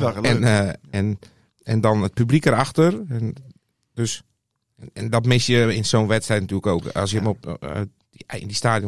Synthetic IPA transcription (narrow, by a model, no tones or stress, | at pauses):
ɛnɛn | ɛndɔnət̚pyblikəɾaxtərɛ | d̥øs | ɛndɔtmɪsjəɪnsoːnʋɛtstrɛjtnatyələkoːka̰sjəmɔ | ɪndistaːdjo